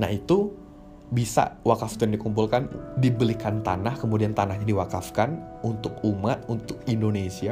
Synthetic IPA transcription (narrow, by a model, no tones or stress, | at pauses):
na̰ɦit̪u | bisa̰wakaft̪undikumpulkandibəlikant̪a̰nahkəmudiant̪anahɲadiwakafkan | unt̪ʊkumat̪̚unt̪ʊk̚indonesia